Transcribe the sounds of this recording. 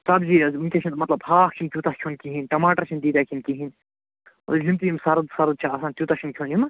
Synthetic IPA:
sɐbziunkʲet͡ʃʰint̪mɐt̪lɐbhaːxt͡ʃʰinkʲut̪ahkʲʰjoːnkiɦinʈɐmaːʈɐɾt͡ʃʰind̪iːd̪aːkʰinkiɦin | o̰limt̪ijimsɐɾɨd̪sɐɾɨd̪̚t͡ʃʰaɐsaːnt̪juːt̪at͡ʃʰinkʲʰoːnjuma

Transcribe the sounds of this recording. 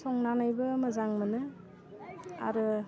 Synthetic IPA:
sɔŋnanajbɯmɯzaŋmɯnɯ | a̰ɾɯ

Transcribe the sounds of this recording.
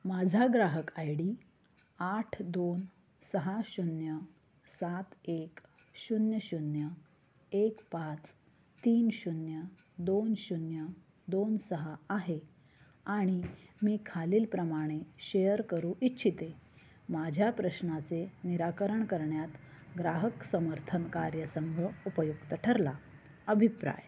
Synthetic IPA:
mad͡zʱaɡɾaɦəkajɽiː | aʈʰd̪on | səɦaɕunjə | sat̪ek | ɕunjəɕunjə | ekpat͡s | t̪iːnɕunjə | d̪onɕunjə | d̪onsəɦəaɦe | aɽ̃imiːkʰaliːlpɾəmaɽ̃eɕejəɾkəɾũːʔitːɕʰit̪e | mad͡ʑʱjapɾəɕnat͡seniɾakəɾəɳkəɾɳjat̪ɡɾaɦəksəməɾt̪ʰənkaɾjəsəŋɡʱəupəjukt̪əʈʰəɾla | əbʱipɾa̰j

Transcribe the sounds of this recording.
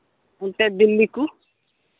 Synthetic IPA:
unt̪ɛbilːiku

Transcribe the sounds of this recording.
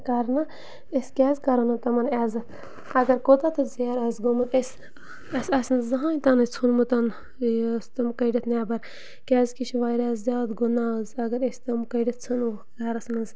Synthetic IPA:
kɐɾnɐ | esʲkʲɛːzkɐɾonɐt̪ɐmɐnɛzɨ | ɐɡɐɾkod̪at̪ɨzeɾɐzɡomɐnesʲ | ɐsʲɐsnɨzɐɦãːit̪ɐnɨt͡sʰunmut̪ɐn | st̪ɐmkɐjɖɐt̪ʰnɛːbɐɾ | kʲɛːzkiʃʰʋaːjɾaːzzʲjaːd̪ɡunaːzɐɡɐɾesʲt̪ɐmkɐjɖɐt̪̚t͡sʰɨn | aɾɐsnɐz

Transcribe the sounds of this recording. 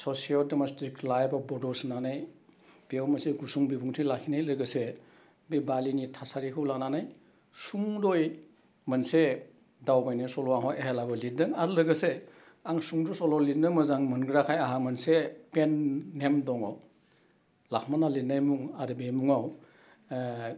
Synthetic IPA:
sɔsialdemɔstɾiklajbabɔdɔsnanajb̥iawmaseɡusuŋbibuŋtʰilakʰinajlɯɡɯse | bibalinitʰasaɾikʰɯwlananaj | suŋdɔj | mɐnse | dawbajnajsɔlɔwaŋɦɔjeɦelabɔlidɯŋaɾlɯɡɯse | aŋsuŋdɔsɔlɔlinɯmɐzaŋmɐnɡɾakʰajaɦamɐnsepenːemdɔŋɔ | lakʰmanalinajmuŋaɾɯbemuŋaw

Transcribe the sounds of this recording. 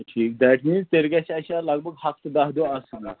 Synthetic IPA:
ʈʰiːkd̪æʈminzt̪eɾɡaɕaəɕaləɡ̚bəɡhak̚t̪əd̪aɦd̪oəsna

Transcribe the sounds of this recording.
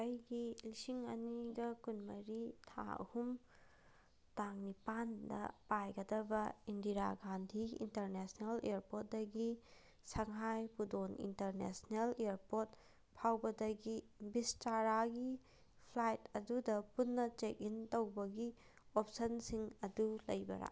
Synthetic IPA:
ɐjɡilisiŋɐ̰niɡɐkunmɐɾitʰa̰ɐ̰hum | taŋnipandɐ̰pajɡɐdɐbɐindiɾaɡandʱiḭnteɾnesneleɾpot̚dɐɡi | sɐŋɦajpudonḭnteɾnḛsneleɾpoɾt̚ | pʰawbɐdɐɡi | bistaɾaɡi | pʰlajtɐdudɐpunːɐt͡ʃek̚intowbɐɡi | op̚sɐnsiŋɐdulɐjbɐ̰ɾa̰

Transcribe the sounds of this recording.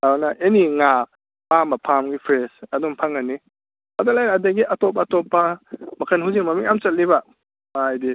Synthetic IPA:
awnɐʔeniŋa | pamɐpʰamɡipʰɾesɐdumpʰaŋɐnːi | madalajɾːdaɡiʔɐtɔp̬ːɐːtɔpːɐmɐkʰɐnɦuziŋmɐmiŋamt͡ʃɐt̚libɐ | majdi

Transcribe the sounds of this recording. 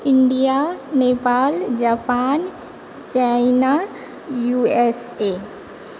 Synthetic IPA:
iɳɖijanepaːld͡ʒapan | t͡ʃaina | jues | e

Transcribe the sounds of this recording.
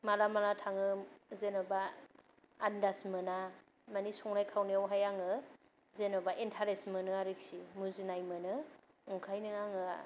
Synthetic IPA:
malamalatʰaŋɯzenɔbaː | ndasmɯna | manisɔŋnajkʰawniawɦajaŋɯ | zenɔbaʔentʰaɾesmɯnɯaɾiksimuzinajmɯnɯ | uŋkʰajnɯaŋɯ

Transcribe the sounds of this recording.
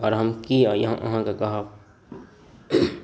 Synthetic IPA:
ɔ̰ːɾɦɐmkiɔːjɐ̰ɦãʔʊ̰ɦãkakɐɦa

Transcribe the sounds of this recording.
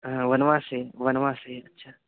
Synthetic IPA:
ɦʋənʋãːseʋɐnʋãːseɐtːʃʰaː

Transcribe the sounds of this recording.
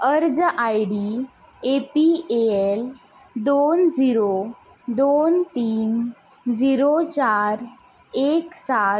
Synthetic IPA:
əɾd͡zʔajɽi | epieel | d̪ond͡ziɾo | d̪ont̪iːn | d͡ziɾot͡ɕaɾ | eksa

